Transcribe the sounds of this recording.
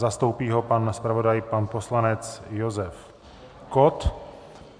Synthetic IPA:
zast̪o̞wpiːɦo̞panspɾavo̞dajpanpo̞slanɛt͡sjozɛf | kot̪

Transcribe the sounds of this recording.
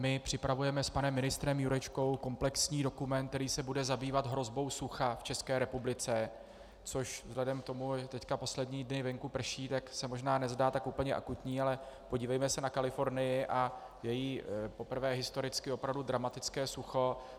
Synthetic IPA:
mɪpr̝̥ɪpɾavujɛmɛspanɛmːɪnɪst̪ɾɛmjuɾɛt͡ʃko̞wko̞mplɛksɲiːdo̞kumɛnt̪̚t̪ɛɾiːsɛbudɛzabiːvat̪ɦɾo̞zbo̞wsuxaft͡ʃɛskɛːɾɛpublɪt͡sɛ | t͡so̞ʃvzɦlɛdɛmk̚t̪o̞muɛt̪ɛckapo̞slɛdɲiːdnɪvɛŋkupr̩ʃiːt̪aksɛmo̞ʒnaːnɛzdaːt̪akʔuːpl̩ɲɛʔa̰kut̪ɲiːalɛ | po̞ɟiːvɛjmɛsɛnakalɪfo̞ɾnɪjɪʔa | jɛjiːpo̞pr̩vɛːɦɪst̪oɾɪt͡skɪo̞pɾavdudɾamat̪ɪt͡skɛːsuxo̞

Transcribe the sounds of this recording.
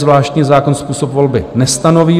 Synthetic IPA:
zvlaːʃt̪ɲiːzaːkonspuːsopvo̞lbɪ̰nɛst̪ano̞viː

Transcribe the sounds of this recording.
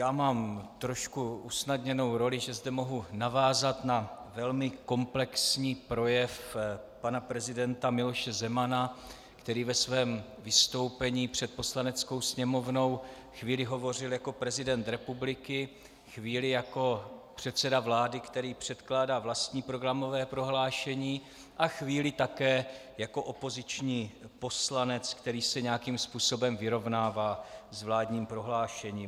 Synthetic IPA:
jaːmaːmt̪ɾo̞ʃkuʔusnadɲɛno̞wɾo̞lɪʒɛzdɛmo̞ɦunavaːzat̪navɛlmɪko̞mplɛksɲiːpɾo̞jɛfpanapɾɛzɪdɛnt̪amɪlo̞ʃɛzɛmana | kt̪ɛɾiːvɛsvɛːm | vɪst̪o̞wpɛɲiːpr̥ɛt̪̚po̞slanɛt͡sko̞wsɲɛmo̞vno̞w | xviːlɪɦo̞vo̞rɪljako̞pɾɛzɪdɛnt̪ɾɛpublɪkɪ | xviːlɪjako̞pr̥ɛt̪t͡sɛdavlaːdɪkt̪ɛɾiːpr̝̥ɛt̪klaːdaːvlast̪ɲiːpɾo̞ɡɾamo̞vɛːpɾo̞ɦlaːʃɛɲiː | ʔaxviːlɪt̪akɛː | jako̞ʔo̞po̞zɪt͡ʃɲiːpo̞slanɛt͡skt̪ɛɾiːsɛɲɛjakimspuːso̞bɛmvɪɾo̞vnaːvaːzvlaːdɲiːmpɾo̞ɦlaːʃɛɲiː

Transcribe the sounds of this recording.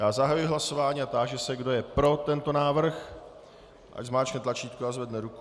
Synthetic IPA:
jaːzaɦajujɪɦlaso̞vaːɲiat̪aʒɛsɛɡdo̞jɛpɾo̞t̪ɛnt̪o̞naːvr̩x | ʔa̰ɟzmaːt͡ʃknɛt̪lat͡ʃiːt̪̚kuazvɛdnɛɾuku

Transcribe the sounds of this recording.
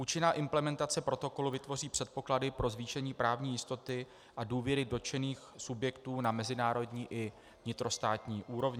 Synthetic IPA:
ʔuːt͡ʃɪnaːʔɪmplɛmɛnt̪at͡sɛpɾo̞t̪o̞ko̞luvɪt̪vo̞riːpr̥ɛt̪̚po̞kladɪpɾo̞zviːʃɛɲiːpɾaːvɲiːjɪst̪o̞t̪ɪ | ʔaduːvjɛɾɪdo̞t͡ʃɛniːxsubjɛkt̪uːnamɛzɪnaːɾo̞dɲiːʔɪ | vɲɪt̪ɾo̞st̪aːt̪ɲiːʔuːɾo̞vɲɪ

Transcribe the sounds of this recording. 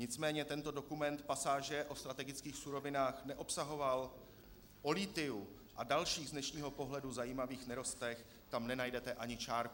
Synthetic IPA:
ɲɪt͡smɛːɲɛt̪ɛnt̪o̞dokumɛnt̪pasaːʒɛʔo̞st̪ɾat̪ɛɡɪt͡skiːxsuɾo̞vɪnaːxnɛʔo̞psaɦo̞val | ʔo̞liːt̪ɪu | ʔadalʃiːɣznɛʃɲiːɦo̞po̞ɦlɛduzajiːmaviːxnɛɾo̞st̪ɛx | t̪amnɛnajdɛt̪ɛʔaɲɪt͡ʃaːɾk

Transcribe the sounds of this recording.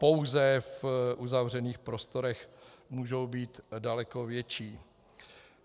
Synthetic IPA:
po̞wzɛfʔuzavr̝ɛniːxpɾo̞st̪o̞ɾɛxmuːʒowbiːt̪dalɛko̞vjɛt͡ʃiː

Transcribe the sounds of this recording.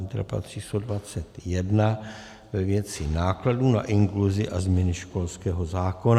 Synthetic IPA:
nt̪ɾa̰pa̰t̪r̝̥iːst̪odvat͡sɛt̪jɛdna | vɛvjɛt͡sɪnaːkladuːna̰ʔɪŋkluzɪʔazmɲɛnɪʃko̞lskɛːɦo̞zaːko̞n

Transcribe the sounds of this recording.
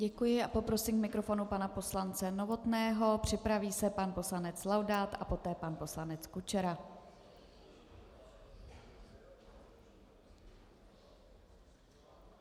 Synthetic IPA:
ɟɛkujɪʔapo̞pɾo̞siːmkmɪkɾo̞fo̞nupanapo̞slant͡sɛno̞vo̞t̪nɛːɦo̞pr̝̥ɪpɾaviːsɛpanpo̞slanɛt͡slawdaːt̪ʔapo̞t̪ɛːpanpo̞slanɛt͡skut͡ʃɛɾa

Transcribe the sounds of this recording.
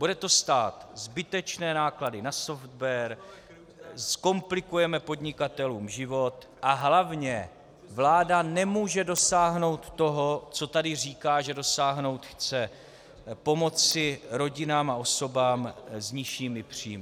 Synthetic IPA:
b̥udɛt̪o̞st̪aːt̪zbɪt̪ɛt͡ʃnɛːnaːkladɪnaso̞ft̪vɛɾ | sko̞mplɪkujɛmɛpo̞dɲɪkat̪ɛluːmʒɪvo̞t̪ | ʔaɦlavɲɛ | vlaːdanɛmuːʒɛdo̞saːɦno̞wt̪ːo̞ɦo̞t͡so̞t̪adɪr̝iːkaːʒɛdo̞saːɦno̞wt̪xt͡sɛ | po̞mo̞t͡sɪɾo̞ɟɪnaːmao̞so̞baːmzɲɪʃiːmɪpr̝̥ḭːmɪ

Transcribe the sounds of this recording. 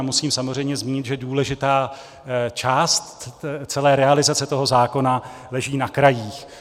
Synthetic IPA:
musiːmsamor̝ɛjmɲɛzmiːɲɪt̪ʒɛduːlɛʒɪt̪aː | t͡ʃaːst̪t͡sɛlɛːɾɛalɪzat͡sɛt̪o̞ɦo̞zaːko̞nalɛʒiːnakɾajiːx

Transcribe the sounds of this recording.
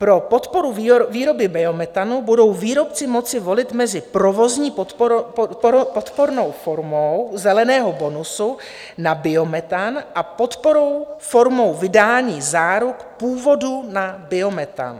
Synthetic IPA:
pɾo̞po̞t̪po̞ɾuviːɾo̞bɪbɛo̞mɛt̪anubudo̞wviːɾo̞pt͡sɪmo̞t͡sɪvo̞lɪt̪mɛzɪpɾo̞vo̞zɲiːp̪ | pot̪po̞ɾno̞wfo̞ɾmowzɛlɛnɛːɦo̞bo̞nusu | nabɪo̞mɛt̪anʔapo̞t̪poɾowfo̞ɾmo̞wvɪdaːɲiːzaːɾukpuːvo̞dunabɪo̞mɛt̪a̰n

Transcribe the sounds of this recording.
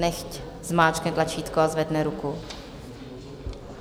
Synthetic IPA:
nɛxc | zmaːt͡ʃkɛt̪lat͡ʃiːt̪koazvɛdnɛɾuku

